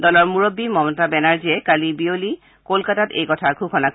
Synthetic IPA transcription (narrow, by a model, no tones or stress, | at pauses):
dɔlɔɹmuɹobːimɔmtabɛnaɹziɛkalibioli | kolkatatejkɔtʰaɡʰʱukʰɔnak